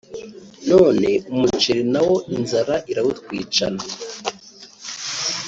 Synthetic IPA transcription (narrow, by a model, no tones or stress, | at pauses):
no̞ːne̞umut͡ʃiɾinawo̞ʔinzaɾaʔiɾawut̚kwiːt͡ʃa̰na